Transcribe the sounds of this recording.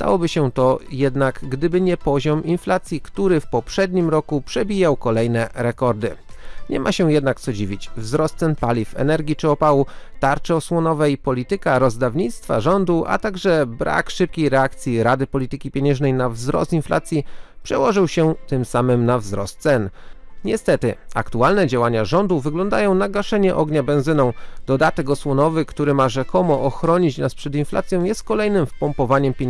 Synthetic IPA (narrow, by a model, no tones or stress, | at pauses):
d̪a̰wɔbɘɕɛt̪ɔjɛd̪nakɡd̪ɘbɘɲɛpɔʑɔminflat̪sʲjikt̪uɾɘfpɔpʂɛd̪ɲimɾɔkupʂɛbʲijawkɔlɛjnɛɾɛkɔɾd̪ɘɲɛ̰maɕɛ̃jɛd̪nak̚t̪sɔd͡ʑivʲit͡ɕvzɾɔst̪sɛnpalʲifɛ̰nɛɾɡʲit͡ʂɘɔpawut̪aɾt͡ʂɛɔswɔnɔvɛipɔlʲit̪ɘkaɾɔzd̪avɲit̪st̪fa̰ʐɔnd̪uʔa̰t̪aɡʐɛbɾʔa̰kʂɘp̚kʲejɾɛakt̪sʲjiɾad̪ɘpɔlʲit̪ɘkʲipʲjeɲɛ̃ʐnɛjnavzɾɔ̰st̪infla̰t̪sʲjipʂɛwɔʐɘwɕɛt̪ɘmsamɘmnavzɾɔ̰st̪̚t̪sɛnɲɛst̪ɛt̪ɘ̰a̰kt̪ualnɛd͡ʑawaɲaʐɔnd̪uvɘɡlɔnd̪ajɔ̃w̃naɡaʂɛɲɛʔɔɡɲabɛ̃w̃zɘnɔ̃w̃d̪̥ɔd̪at̪ɛkɔswɔnɔvɘkt̪uɾɘmaʐɛkɔmɔʔɔxɾɔɲit͡ɕnaspʂɛd̪infla̰t̪sʲjɔ̃w̃jɛst̪̚kɔlɛjnɘmfpɔmpɔvaɲɛmpʲeɲ